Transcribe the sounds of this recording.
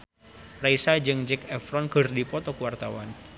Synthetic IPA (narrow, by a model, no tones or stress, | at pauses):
praisad͡ʒɨŋd͡ʒɛkɛfɾɔnkərdipɔt̪ɔkuwart̪awan